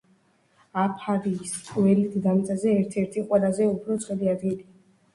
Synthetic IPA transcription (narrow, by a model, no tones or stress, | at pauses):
apʰaɾiːskʼvɛlit̪ʰd̪amt̪sʼazɛːɾt̪ʰɛɾt̪ʰiqʼwɛlazɛupʰɾɔt̪sʰʼχwɛliad̪ɡili